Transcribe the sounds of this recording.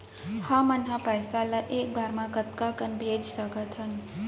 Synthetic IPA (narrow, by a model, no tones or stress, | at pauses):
hãmənɦãpəjsaləʔeːk̚baːɾmãkət̪kakənbʱeːd͡ʒsəkət̪ʰən